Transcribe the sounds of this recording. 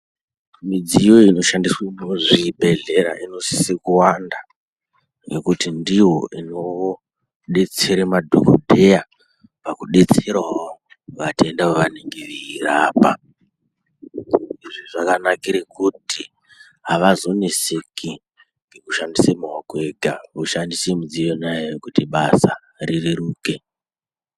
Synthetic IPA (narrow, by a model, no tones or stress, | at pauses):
mid͡zijo̞ino̞ʃandiswemoʐibʱe̞ɮe̞ɾa̰ʔino̞si̥sekuwanda | nekutindijo̞̰ino̞ | ɗe̞t͡se̞ɾemadʱo̰ko̰dʱeja | pakuɗe̞t͡se̞ɾawo | ʋate̞ndaoʋaneŋɡeʋiiraːpa̰ | iʐiʐakanakiɾekʰuti | ɦaʋazo̞nesekʰi | ŋɡekuʃandisemuɦakwe̞ɡʱauʃandisemud͡zienajejekutiɓasa | ririɾuːke̞